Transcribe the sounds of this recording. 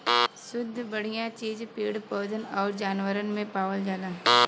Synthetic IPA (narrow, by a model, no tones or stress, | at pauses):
sʊd̪ʱːbɐɽ̤ijãt͡ʃiːd͡ʒpiːɽpɔːd̪ənɔːɾd͡ʒaːnʋəɾənmẽpaːʋəld͡ʒaːlaːɦ